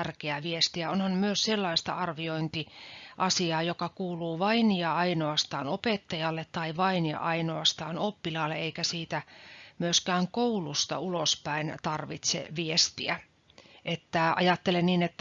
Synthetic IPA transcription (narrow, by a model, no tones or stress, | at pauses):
ærkeæʋiest̪iæonhɑnmyøsselːɑist̪ɑ̰ɑrʋioint̪iʔɑsiɑːjokɑkuːluːʋɑinjɑɑinoɑst̪ɑːnopet̪ːɑjɑlːet̪t̪ːɑiʋɑinjɑ̰ʔɑinoɑst̪ɑːnopːilɑːlːeeikæsiːt̪æmyøskæːŋkoulust̪ɑ̰ulospæint̪ɑrʋit̪sḛʋiest̪iæ | ʔet̪ːæʔɑ̰jɑt̪ːelenniːnet̪ːæ